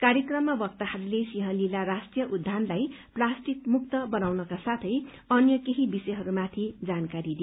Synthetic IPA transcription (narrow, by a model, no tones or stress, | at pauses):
kaɾjʌkrʌmːabʌk̚t̪ahʌɾulesiɦʌlilaɾasʈrijʌʔud̪ʱːanlajplasʈikmuk̚t̪ʌbʌnawnʌkasat̪ʰʌj | ʌnjʌkeɦibisʌjɦʌɾumat̪ʰid͡zankaɾid̪i